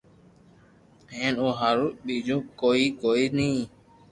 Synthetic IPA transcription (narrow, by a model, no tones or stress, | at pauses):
ɦɛnoɦaɾuɓid͡ʒũkɔikɔini